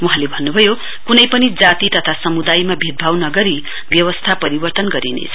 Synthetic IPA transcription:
wuɦãlebʱʌnːubʱʌjo | kunʌjpʌnid͡zat̪it̪ʌt̪ʰasʌmud̪ajmabʱit̪̚bʱawnʌɡʌɾi | bjʌwʌst̪ʰapʌɾibʌrt̪ʌnɡʌɾinḛt͡sʰʌ

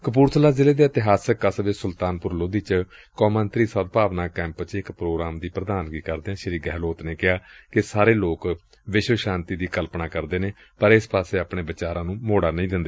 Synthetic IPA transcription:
kəp̬uːɾt̪ʰəlaːzɪleːd̪eːət̪ɪɦaːsəkəsʋeːsʊlt̪aːnpʊɾloːd̪iːt͡ʃkɔːmə̃nt̪ɾiːsət̪paːʋnaːkɛ̃ːmpt͡ʃɪkpɾoːɡɾaːmd̪iːpɾəd̪aːnɡiːkəɾd̪eːãːʃəɾiːɡɛːloːt̪neːkɪaːkɪsaːɾeːloːk | ʋɪʃʋəʃãːnt̪iːd̪iːkəlpnaːkəɾd̪eːneː | pəɾɪspaːseːəpɳeːbət͡ʃaːɾãːnũːmoːɽaːnəĩːd̪ɪnd̪eː

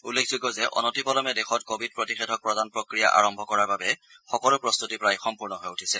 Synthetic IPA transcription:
ulːekʰzuɡɔzɛʔɔ̰nɔtipɔlɔmɛdɛxɔtkobʱid̚pɹotixɛdʰʱɔk̚pɹɔdanpɹokɹija̰ʔa̰ɹɔmbʱɔkɔɹaɹbabɛxɔkɔlʊpɹɔst̪utipɹajxɔmpuɹnɔɦojutʰisɛ

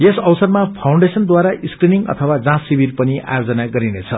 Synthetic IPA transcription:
jesʌwsʌrmapʰaw̃ɳɖesʌnd̪waɾaʔiskriniŋʌ̰t̪ʰʌwad͡zãsːibirpʌniʔa̰jod͡zʌnaɡʌɾinet͡sʰʌ

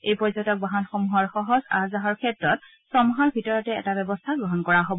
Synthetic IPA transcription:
ejpɔɹzɔtɔk̚baɦanxomuɦɔɹxɔɦɔza̰zaɦɔɹkʰɛtɹɔt | sɔmuɦaɹbʱitɔɹɔtɛɛ̰tabɛbɔstʰaɡɹɔɦɔnkɔɹaɦobɔ

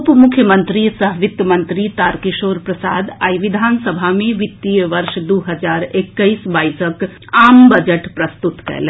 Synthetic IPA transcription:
pmʊkʰjəmə̃nt̪ɾisɐɦʋɪt̪jəmə̃nt̪ɾit̪aːɾkɪʃoːɾpɾɐsa̰ːd̪a̰ːjʋɪd̪ʱaːnsəbʱamẽʋɪt̪ːijəʋɐɾʃd̪uɦɐd͡ʒaːɾekːəisbaːisək | aːmbɐd͡ʒəʈpɾɐst̪ut̪kɐ̰lẽ

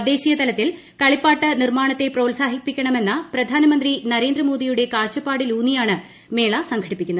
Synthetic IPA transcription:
d̪e̞ːɕijɐt̪ɐlɐt̪ːil | kɐɭipːaːʈːɐnirmaːɳɐt̪ːe̞pro̞ːlsaːɦipːikʲːɐɳɐme̞nːɐprɐd̪ʱaːnɐmɐnd̪rinɐɾe̞ːnd̪ɾɐmo̞ːd̪ijuɽe̞kaːrt͡ɕːɐpːaːɽiluːnːijaːɳɨ | me̞ːɭasɐŋɡʰɐɽipːikʲːunːɐð

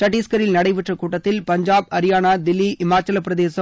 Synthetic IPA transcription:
sʈɐʈːiːskɐɾɪlnɐɽɐɪʋɪʈrɐkuːʈːɐt̪ːɪlpɐɲd͡ʒaːbɐɾɪjaːnaːd̪ɪlːiʔɪmaːt͡ʃɐlɐpːɪɾɐðeːsɐ

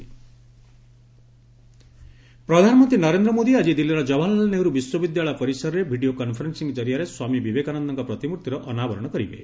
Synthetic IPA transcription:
pɾɔd̪ʱanɔmɔnt̪ɾinɔɾend̪ɾɔmod̪iad͡ʒid̪ilːiɾɔd͡ʒɔbʱalɔlneɦuɾubiswɔbid̪jaɭɔjpɔɾisɔɾɔɾebʱiɖiokɔnpʰɔɾensiŋɡd͡ʒɔɾijaɾeswamibibekanɔnd̪ʱɔŋkɔpɾɔt̪imuɾt̪ʰjɔɾɔʔɔnabɔɾɔɽ̃ɔkɔɾibḛ

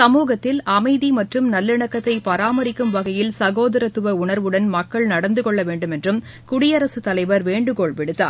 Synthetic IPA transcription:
sɐmuːɣɐt̪ːɪlɐmɐɪðimɐʈrɯmnɐlːɪɳɐkːɐt̪ːɐɪpɐɾaːmɐɾɪkːɯmʋɐɣɐjɪlsɐɣoːðɐɾɐt̪ːɯʋɐʊɳɐɾʋɯɽɐnmɐkːɐɭnɐɽɐnd̪ɯkɔɭːɐʋeːɳɖɯmɛndrɯm | kʊɽɪjɐɾɐsɯt̪ːɐlɐɪʋɐɾʋeːɳɖɯkoːɭʋɪɽɯt̪ːa̰ːɾ

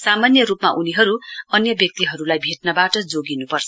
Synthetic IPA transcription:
samanjʌɾupmaʔuniɦʌɾuʌnjʌbjʌk̚t̪iɦʌɾulajbʱeʈ̚nʌbaʈʌd͡zoɡinupʌrt͡sʰʌ

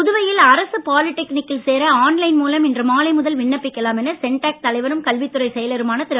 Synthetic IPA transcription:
pʊðɯʋɐjɪlɐɾɐsɯpaːlɪʈːɛknɪkːɪlseːɾɐaːnlɐɪnmuːlɐmɛndrɯmaːlɐɪmʊðɐlʋɪɳːɐpːɪkːɐlaːmɛnːɐsɛɳʈaːk̚t̪ɐlɐɪʋɐɾɯmkɐlʋɪt̪ːɯɾɐɪsɛjɐlɐɾɯmaːnɐt̪ɪɾɐ

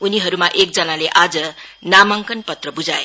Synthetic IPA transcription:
uniɦʌɾumaʔek̚d͡zʌnaleʔad͡zʌnamaŋkʌnpʌt̪rʌbud͡zae

